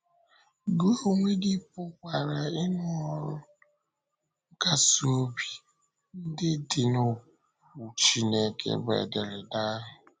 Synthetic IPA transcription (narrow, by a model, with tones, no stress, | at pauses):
ɡo˦o˨ŋʷe˦dɪ˦pʊ˦kʷa˨ɾa˨ɪ˦nʊ˦ɔ˨ɾʊ˦ | ka˨so˦bi˨ | n̩˦dɪ˦dɪ˨nʊ˨ | u˨t͡ʃi˦ne˦kḛ˨bḛ˨de˨ɾɪ˨da˦ɦʊ˨